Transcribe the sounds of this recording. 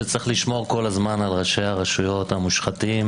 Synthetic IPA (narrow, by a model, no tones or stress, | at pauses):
et͡sʁiχliʃmo̞ʁko̞lazmanalʁaʃejaʁaʃujo̞t̪hamuʃχatim